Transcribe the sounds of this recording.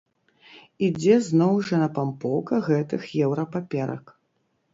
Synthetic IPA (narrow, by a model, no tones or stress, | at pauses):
id͡zʲɛznɔwʐɐnɐpampɔwkɐɣɛt̪ɨxjɛwɾɐpapʲɛɾɐ̰k